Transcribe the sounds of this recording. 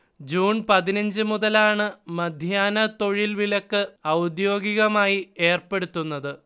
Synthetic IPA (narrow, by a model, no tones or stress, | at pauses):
d͡ʑuːnpɐðinɐɲd͡ʑɨmuðɐlaːɳɨmɐd̪ʱjaːnɐt̪o̞ɻilʋilɐkːɨɐwd̪jo̞ːɡiɣɐmaːjie̞ːrpe̞ɽut̪ːunːɐðɨ